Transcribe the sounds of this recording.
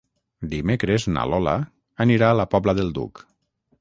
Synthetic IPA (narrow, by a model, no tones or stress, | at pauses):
d̪imekɾezna̰lɔla̰ː | niɾalapɔbləðelˠd̪ṵk